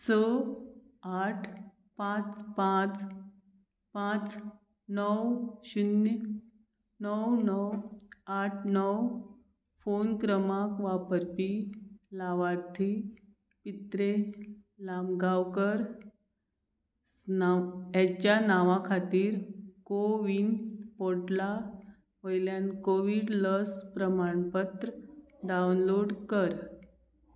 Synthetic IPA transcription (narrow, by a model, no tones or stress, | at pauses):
sə | aʈʰ | pãt͡spãt͡s | pãt͡s | nəwɕun | nəwnəwaʈʰnəw | fonkɾəmakʋapəɾpilaʋaɾt̪ʰi | pit̪ɾe | lamɡawkəɾ | naat͡ɕjanaʋãkʰat̪iːɾkoʋiːnpoɽla | ɦojljankoʋiɽləspɾəmaɳpət̪ɾə | ɖawnloɽkəɾ